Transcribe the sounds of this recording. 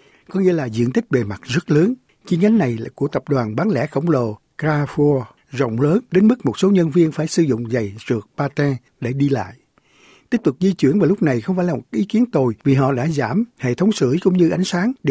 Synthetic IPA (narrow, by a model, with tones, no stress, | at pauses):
kɔ˨˦ŋḭ˧˥əlaː˨˩zḭ˧˨ənt̪ï˦˥k̟̚ve˨˩ma˨˩t̚zə˦˥t̚ləː˨˦n | t͡ɕi˨˦ənɡa˨˦ŋ̟na˨˩jku˧˩ət̪ə˨˩p̚ɗwaː˨˩nɓaː˨˦nlɛ̰˧˥˩xə˧˩wŋ͡mlo˨ | kaː˧fu˧ | zə̰˧˨wŋ͡mləː˨˦nɗe˨˦nmɨ˦˥k̚mo˨˩t̚so˨˦ɲə˧nvi˧ənfaː˧˩jsɨ˧˩zʊ̰˧˨ŋ͡mza˨˩jzɨ˨˩ək̚paː˧t̪ɛ˧ | ɗe˧˩ɗi˧la̰ː˧˨jʔ | t̪i˦˥k̚t̪ʊ˨˩k͡p̚zi˧t͡ɕwi˧˩˥ənvaː˨˩lʊ˦˥k͡p̚na˨˩jxwŋ͡mfaː˧˩jlaː˨˩mo˨˩˦ʔi˨˦ki˨˦ənt̪o˨˩jvi˨˩ɦɔ̰˧˨ɗa̰ː˧˥zaː˧˩mhḛ˧˨t̪ʰə˨˦wŋ͡msɨ̰˧˩kʊ̰˧˥ŋ͡mɲɨ˧ʔa˨˦jŋ̟saː˨˦ŋ